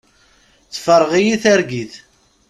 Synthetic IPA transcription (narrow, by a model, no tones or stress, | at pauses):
t͡sːfəɾˤːʁijiθæɾɡiθ